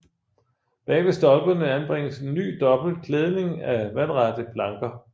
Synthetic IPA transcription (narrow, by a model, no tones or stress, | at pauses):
b̥ɛ̰ɪʋe̝sd̥ɒ̽lb̥ɐnəænb̥ʁeŋ̰əse̝nːy̰ːd̥ɒ̽b̥l̩d̥̚kʰleːð̞ˠne̝ŋæʋænʁɑd̥əb̥ʰlɑ̈ŋɡ̥ɐ